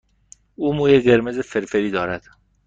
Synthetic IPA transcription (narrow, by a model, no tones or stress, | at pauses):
uːmuːjeɢe̞ɾme̞zefeɾfeɾiːd̪ɒːɾæd̪̥